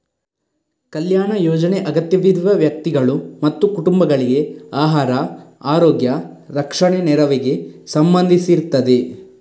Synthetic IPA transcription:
kɐljaːɳɐjɔːd͡ʒɐneʔɐɡɐt̪jɐʋid̪ʱʋɐʋjɐk̚t̪iɡɐɭumɐt̪ːukuʈumbɐɡɐɭiɡe̞aːɦaːɾɐaːɾoːɡjɐɾɐkʂɐɳenɛɾɐʋiɡe̞sɐmbɐnd̪ʱisiɾut̪ːɐd̪e̞

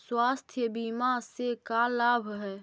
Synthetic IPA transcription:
swaːst̪ʰjəbiːmasekalaːbʱɦɛː

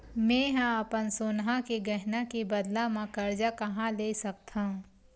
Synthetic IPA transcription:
mɛ̃ɦãɐpənsoːnɦãkeɡɐɦnakebɐd̪lamãkɐɾd͡ʒakɐɦãleːsɐk̚t̪ʰã

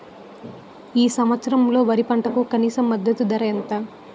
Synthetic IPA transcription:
iːsɐmʋɐt̪sɐɾɐmlo̞ːʋɐɾipɐɳʈɐkukɐniːsɐmːɐd̪ːɐt̪ud̪ɐɾɐjɐnt̪a

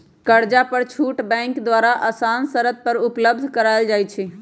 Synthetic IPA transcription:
kəɾd͡ʒapəɾt͡ʃʰuʈbɛ̃ŋkd̪ʋaɾaʔəsansəɾət̪̚pəɾupləb̚d̪ʱkəɾajld͡ʒajt͡ʃʰi

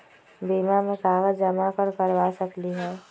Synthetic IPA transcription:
biːmamẽkaːʋəd͡ʒəmakəɾkəɾʋasəkliɦɛː

